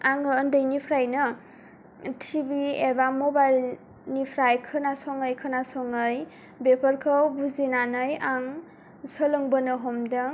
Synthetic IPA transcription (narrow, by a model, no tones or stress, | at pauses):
aŋɯːndɯjnipʰɾajnɯ | tʰibiebamɔbajl | nipʰɾajkʰɯnasɔŋɯjkʰɯnasɔŋɯj | bepʰəɾkʰɯwbuzinanɯjaŋ | səlɯŋbənɯɦɔmdaŋ